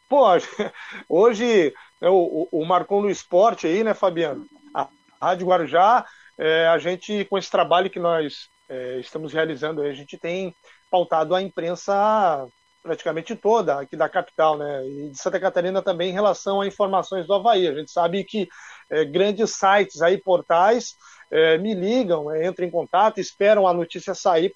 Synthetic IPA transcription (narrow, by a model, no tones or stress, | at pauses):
poʒ | oʒɪnɛʊʊʔːmaɾkõd̪ʊɪspɔɾt͡ʃɪainɛfabiɐ̃n | a̰ | had͡ʒʊɡwaɾuʒa | ɛaʒẽnt͡ʃɪkõesɪ̥t̪ɾabaʎʊkɪnɔs | ɛɪst̪ɐ̃mʊshealizɐ̃nd̪ʊaiaʒẽnt͡ʃɪ̥t̪ẽj̃ | pawt̪ad̪ʊɐĩpɾẽsɐ | pɾat͡ʃi̥kamẽnt͡ʃɪt̪od̪ɐakid̪ɐkapi̥t̪awnɛɪd͡ʒɪsɐ̃t̪ɐkat̪aɾĩnɐt̪ɐ̃mbẽj̃ẽɦelasɐ̃w̃aĩfoɾmasõj̃zd̪ʊavaiɐʒẽnt͡ʃɪ̥sabɪkɪɛɡɾɐ̃nd͡ʒɪsajt͡ʃɪzaipoɾt̪ajs | ɛmɪliɡɐ̃w̃ɛẽnt̪ɾɐ̃ẽkõnt̪at̪ʊɪspɛɾɐ̃w̃ɐnot͡ʃisiɐsai